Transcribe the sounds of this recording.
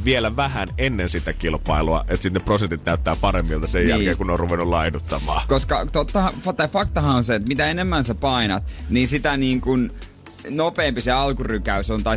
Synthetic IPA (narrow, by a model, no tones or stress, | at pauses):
ʋielæʋæhænenːensit̪ækilpɑiluɑ̰et̪sit̪neprosent̪it̪næyt̪ːæːpɑremːilt̪ɑsejjæ̰lkeːkunoːrruʋenulɑinut̪ːɑmɑ̰ːkoskɑt̪ot̪ːɑhɑfɑt̪ɑifɑkt̪ɑhɑnseet̪mit̪æenemːænsepɑinɑt̪niːnsit̪æniːŋkun | nopeːmpiseɑlkurykæysont̪ɑi